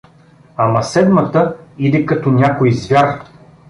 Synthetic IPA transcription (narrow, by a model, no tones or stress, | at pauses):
amɐsɛd̪mɐt̪əid̪ɛkɐt̪ɔnʲakojzvʲjaɾ